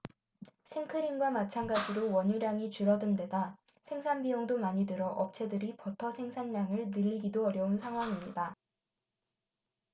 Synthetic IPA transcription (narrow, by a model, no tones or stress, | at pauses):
sʰeŋkʰɯɾimɡwamat͡ɕʰanɡad͡ʑiɾowʌɲuɾjaŋit͡ɕuɾʌdɯnde̞da | sʰe̞ŋsʰanbioŋdomaɲidɯɾʌʔʌp̚t͡ɕʰe̞dɯɾipʌtʰʌsʰe̞ŋsʰanːaŋɯɭnɯʎːiɡidoʌɾjʌunsʰaŋɦwaŋimɲida